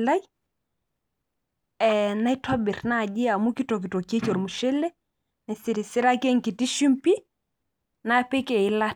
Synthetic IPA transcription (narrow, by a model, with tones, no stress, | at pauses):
la˦j | ɛ˨na˦i˦twa˦bi˨ɾna˦˨ʄi˦a˨mu˦ki˦tɔ˨k̬i˨to˨ki˦e˦t͡ʃɔ˨ɾmu˨ʃe˦le˦ | na˨si˨ɾi˨si˦ɾa˦ke˦ŋ˨ki˨ti˦ʃi˦mpi˦ | na˦pe˦ke˨i˦la˦